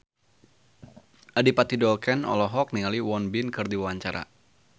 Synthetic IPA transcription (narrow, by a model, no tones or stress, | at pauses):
ʔadipat̪idɔlkɛnɔ̰lɔɦɔk̚niŋaliwɔnbɪnkɨrdiwawaɲt͡ʃaɾa̰